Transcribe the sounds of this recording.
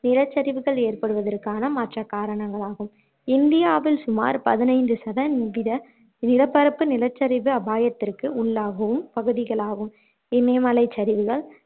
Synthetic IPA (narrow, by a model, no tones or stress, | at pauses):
nɪɾɐt͡ʃːɐɾɪʋɯɣɐɭeːrpɐɽɯʋɐðɐrkaːnɐmɐʈrɐkaːɾɐɳɐŋɡɐɭaːɣɯm | ɪnd̪ɪjaːʋɪlsʊma̰ːɾpɐðɪnɐɪndɯsɐðɐnɪʋɪðɐ | nɪɾɐpːɐɾɐpːɯnɪlɐt͡ʃːɐɾɪʋɯɐbaːjɐt̪ːɪrkɯʊɭːaːɣɐʋɯmpɐɣɯðɪɣɐɭaːɣɯm | ɪmeːmɐlɐɪt͡ʃːɐɾɪʋɯɣɐɭ